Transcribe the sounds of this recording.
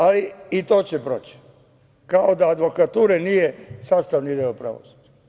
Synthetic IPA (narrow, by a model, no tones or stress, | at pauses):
aliit̪oːt͡ɕepɾo̰ːt͡ɕi̥ | kaod̪aːd̪ʋo̞kat̪uːɾenijesaːst̪aʋnid̪eopɾa̰ʋosu̥d͡ʒa